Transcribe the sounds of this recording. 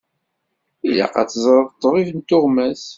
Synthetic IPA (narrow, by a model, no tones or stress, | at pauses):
ila̰qɑ̰t͡sːzˤɾˤəðˤt̪ˤːəʁˤivənt̪oʁmæs